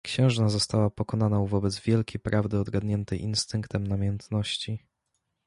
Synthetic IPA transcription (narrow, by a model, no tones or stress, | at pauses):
kɕɛ̃w̃ʐnazɔst̪awapɔkɔnanauvɔbɛd̪zvʲjɛlkʲejpɾʔavd̪ɘɔd̪ɡad̪ɲɛnt̪ɛjʔinst̪ɘŋkt̪ɛmnamʲjɛnt̪nɔɕt͡ɕi